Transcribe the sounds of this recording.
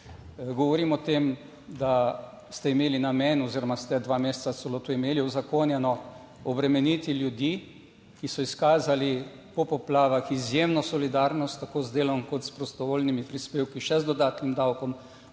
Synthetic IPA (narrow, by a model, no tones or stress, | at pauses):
ɡɔʋɔɾimɔt̪eːm | d̪a | st̪ɛimeːlinamenɔziɾɔmast̪ɛd̪ʋaːmeːst̪sat̪sɛloːt̪uimeːliuzakoːnjɛnɔ | ɔbɾɛmɛnit̪iljud̪jiː | kisɔiskaːzali | pɔpɔplaːʋaxizjeːmnɔsɔlid̪aːɾnɔst̪ːakoːzd̪eːlɔmkɔt̪spɾɔst̪ɔʋoːlnimipɾispeːwkiʃɛzd̪ɔd̪aːt̪nimd̪awkɔm